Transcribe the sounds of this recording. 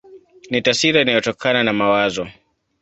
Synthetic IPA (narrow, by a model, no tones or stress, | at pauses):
nitasiɾainajɔtɔkʰananamawazɔ